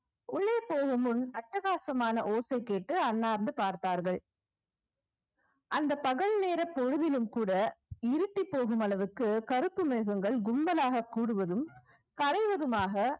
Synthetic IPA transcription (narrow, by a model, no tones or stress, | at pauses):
ʊɭːeːpoːɣɯmɯnɐʈːɐɣaːsɐmaːnɐʔoːsɐɪkːeːʈːɯɐnːaːɾnd̪ɯpaːɾt̪aːɾɣɐɭ | ʔɐnd̪ɐpɐɣɐɭneːɾɐpːɔɻɯðɪlɯmkuːɽɐɪɾɯʈːipːoːɣɯmɐlɐʋɯkːɯkɐɾɯpːɯmeːɣɐŋɡɐɭɡʊmbɐlaːɣɐkːuːɽɯʋɐðɯm | kɐlɐɪʋɐðɯmaːɣɐ